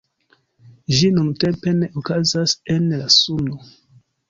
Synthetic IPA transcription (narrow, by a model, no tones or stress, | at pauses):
d͡ʒinunte̞mpe̞neʔokazase̞nlasuno